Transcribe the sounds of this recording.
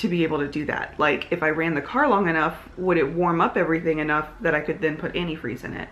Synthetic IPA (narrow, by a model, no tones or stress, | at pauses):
tʰɨbieɪbl̩ˠtɨdɨðæ̰t̚laɪkʰɨfaɪɹæ̃nðɨkʰɑɹlɔ̃ŋɨnʌf | wəɾɨt̚wɔɹmʌpɛvɹiθɪ̃ŋɨnʌfðɨɾaɪkʰɨd̪̚ðɨ̃npʰʊɾʔɛnifɹḭzɨ̰̃nɪ̰t̚